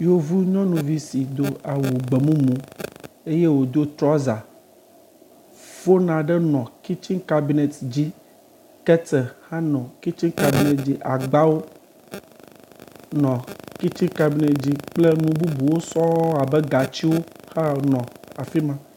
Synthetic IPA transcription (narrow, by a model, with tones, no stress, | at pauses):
jo˦vu˦ɲɔ̃˦nũ˨vi˦si˨d̪o˨a˨wu˨ɡ͡be˨mũ˦mũ˦ | e˦je˦wo˨d̪o˦t̪ɾɔ˦za˨ | v̥o˦nã˨ɖɛ˦nɔ̃˨ki˦t͡ʃĩ˦ŋka˦bi˨nɛ˨t̪d͡ʑi˦ | kɛ˦tɛ˨hã˦nɔ̃˨ki˦t͡ʃĩ˦ŋka˨bi˦ne˨t̪d͡ʑi˦ʔa˨ɡ͡ba˦wo˦ | nɔ̃˨ki˦t͡ʃĩ˦ŋka˦bi˦ne˨t̪d͡ʑi˦k͡ple˦nũ˦bu˦bu˨wo˦sɔ̃˦a˨bɛ˦ɡa˨t͡ɕi˦wo˦ha˦nɔ̃˨a˨fi˦mã˦